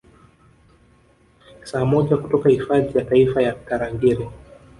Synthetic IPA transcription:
saːmɔʄakutɔkahifaðijataifajakaɾaŋɡiɾi

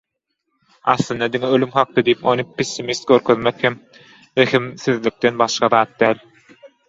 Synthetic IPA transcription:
ɑ̰θlˠɯnd̪ɑd̪iŋeølymxɑq̚t̪ɯd̪ijipo̞nɯpʰesʲːimist̪̚ɡʲøɾkʰøðmekhem | eximθyðlik̚t̪enbɑʃqɑðɑːt̪̚d̪æːlʲ

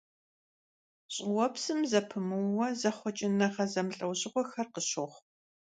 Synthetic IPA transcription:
ɕʼɪwɔpsɨmzɐpʰɨmɨwwɐzɐχʷɔt͡ʃʼɪnɐʁɐzɐmɬʼɐwɕʼɪʁʷɔxɐrqəɕoχʷ

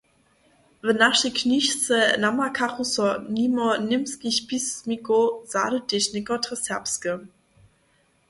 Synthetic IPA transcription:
vənaʃikʰniçsənamakʰaʁusɔnimonɪmskiɕpismikoz̥a̰ːɾədeʃnɪkɔtʁəsɛpskə

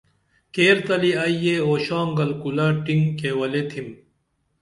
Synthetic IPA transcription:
keːɾt̪ɐliaijeoːɕaːŋɡɐlkulaːʈiŋkeːwɐlet̪ʰim

